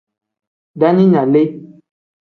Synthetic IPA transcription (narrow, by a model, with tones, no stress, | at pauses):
ɖa˦ɲĩ˦ɲã˨le˦